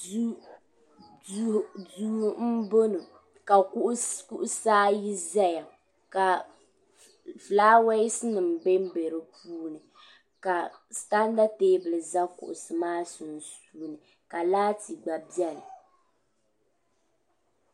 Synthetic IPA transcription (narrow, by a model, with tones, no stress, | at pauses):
du˦m̩˦bo˦nɨ˨ | ka˨ku˦ʔku˦ʔʊ˦saː˦ji˦za˦ja˨ | ka˨ | flaː˦wɛ˦sɨ˦nɨ˨m̩˨be˦m˦be˨ɾɨ˦pʰuː˦nɨ˨ | ka˨sta˦n˦da˦teː˦bɨ˨lɨ˨za˦kʊ̰˨ʔʊ̰˨sɨ˨maː˦sʊ˨˦n˨stuː˦nɨ˨ | ka˨laː˦ti˨ɡ͡ba˨bi˦ɛ˦lɨ˨